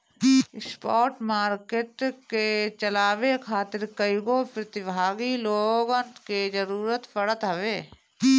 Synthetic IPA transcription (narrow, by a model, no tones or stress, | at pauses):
ɪspɔːʈmaːɾkeːʈket͡ʃəlaːʋekʰaːt̪ɪɾkəɪɡopɾət̪ɪbʱaːɡiloːɡənt̪ked͡ʒəɾuːɾət̪pʰəɽət̪ɦəʋeː